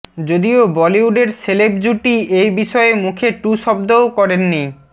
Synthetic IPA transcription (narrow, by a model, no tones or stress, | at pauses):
d͡ʑod̪iobɔliuɖeɾseleb̚d͡ʑuʈiejbiʃɔemukʰeʈuʃɔb̚d̪ookɔɾenːi